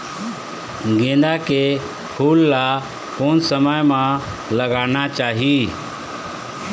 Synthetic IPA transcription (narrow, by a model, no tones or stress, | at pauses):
ɡẽːnd̪aːkeː | pʰuːlːaː | koːnsəməjmãː | ləɡaːnaːt͡ʃaːɦiː